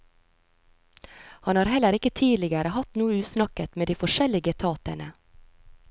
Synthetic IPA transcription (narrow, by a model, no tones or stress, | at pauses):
hɑnhɑːɾhɛləɾɪkət̪ʰiːlɪɡəɾəhɑt̪nuːəʉːsnɑkət̪meːd̪iːfɔʃɛlɪɡət̪ʰɑːt̪əɳə